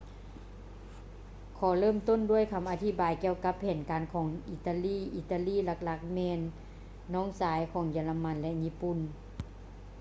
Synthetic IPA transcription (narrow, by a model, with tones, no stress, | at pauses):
kʰɔː˨˩˦lɤː˥˨mt̪o˥˨ndu˥˩ə˨jkʰa˧˦mʔaː˧t̪ʰi˧˥baː˨jki˧əwka˧˥pʰːɛː˨˩nkaː˨nkʰɔː˨˦ŋʔi˧t̪aː˧liː˥˩ʔi˨˧˩t̪aː˧˨liː˥˨la˧k̚la˧˥k̚mɛː˧nː | ɔː˧˥˨ŋsaː˨˦jkʰɔː˨˩˦ŋjiː˧˩la˧ma˧˥˨nlɛ˧ɲiː˧˥˨pu˧˨n